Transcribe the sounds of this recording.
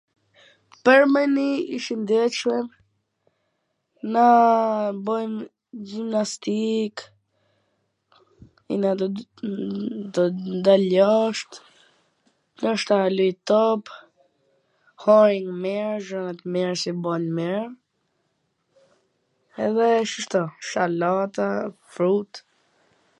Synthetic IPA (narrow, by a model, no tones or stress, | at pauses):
pəɾmɛniiʃind̪ɛʃəm | na | bɔjm | d͡ʒimnast̪ik | ḭna | d̪ɔd̪alɔʃt̪ | nəʃt̪alujt̪ɔp | hɔɾiŋmɛɾʒɔnat̪mɛɾsibɔnmɛɾ | ɛðɛʃəʃt̪ɔʃalat̪afɾut̪